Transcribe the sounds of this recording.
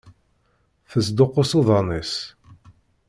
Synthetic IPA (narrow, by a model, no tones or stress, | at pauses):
θəsd̪oqːosoðˤɑnis